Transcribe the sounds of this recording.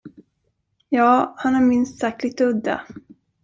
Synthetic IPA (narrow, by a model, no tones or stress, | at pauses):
jɑːhanhaɾmɪnst̪sak̚klɪɡt̪ɵd̪ːa̰